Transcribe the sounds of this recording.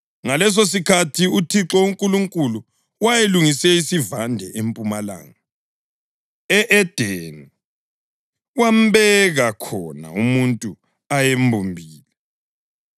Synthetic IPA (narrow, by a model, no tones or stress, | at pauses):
ŋalɛs̬os̬ikʰatʰiutʰiǁɔuŋkʼuluŋkʼulu | wajeluŋisɛisivandʱɛʔempʼumala̰ːŋa | ɛʔɛd̥ʱeni | wam̩βɛɣakʰɔna̰umuntʼu | ajembʱumbʱiːlɛ